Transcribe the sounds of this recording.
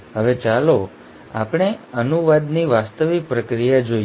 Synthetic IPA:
ɦəʋet͡ʃalo | a̰pɽ̃eənuʋad̪niʋast̪əʋik̚pɾəkɾijad͡ʒoi

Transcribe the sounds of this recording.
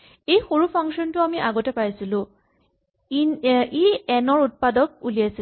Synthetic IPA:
ejxoɹupʰaŋksɔntʊamiʔaɡɔtɛpajsilʊ̃ | iɛnɔɹut̚padɔk̚ulijasi

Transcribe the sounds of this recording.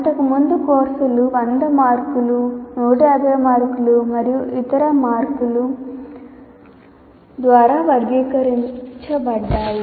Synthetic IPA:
ɐʈ̪ɐkɐmund̪ukoːɾsɐluʋɐnd̪ɐmaːɾkulunoːʈaːd̪ɐɾɐmaːɾkulumɐɾijuʔit̪ɐɾɐmaːɾkulu | d̪ʋaːɾaːʋɐɾɡiːkɐɾint͡ʃɐbɐɽɖːaːji

